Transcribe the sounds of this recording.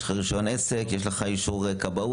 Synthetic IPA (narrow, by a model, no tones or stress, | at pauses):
χaʁiʃo̞nesekjeʃ̬leχaiʃuʁekabau